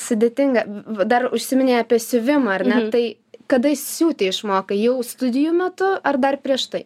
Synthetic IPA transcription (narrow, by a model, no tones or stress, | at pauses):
sʊd̪ʲeːt̪ʲɪŋɡɐd̪ɐrʊʃʲsʲɪmʲɪnʲeɪɑːpʲɛsʲʊʋʲɪmɐɐrʲnʲɛt̪ɐɪ | kɐd̪ɐjɪssʲuːt̪ʲeɪʃmoːkɐjɛʊst̪ʊd̪ʲɪjuːmʲɛt̪ʊɐrd̪ɐrpʲɾʲiɛʃt̪ɐɪ